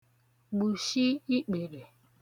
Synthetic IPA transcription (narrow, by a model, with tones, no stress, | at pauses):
ɡ͡bu˨ʃi˦i˦k͡pe˨ɾe˨